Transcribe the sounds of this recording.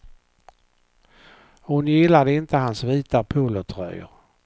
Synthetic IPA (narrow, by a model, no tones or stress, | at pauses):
hʊnjɪlːad̪əɪnt̪əɦansviːt̪apʰulət̪ʰɾœ̰jə̰ɾ